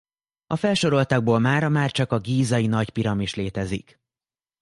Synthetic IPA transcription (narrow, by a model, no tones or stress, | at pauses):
ɒfɛlʃo̞ɾo̞lt̪ɒɡ̚boːlmaːɾɒmaːrt͡ʃɒkɒɡiːzɒjinɒcpiɾɒmiʃleːt̪ɛzḭk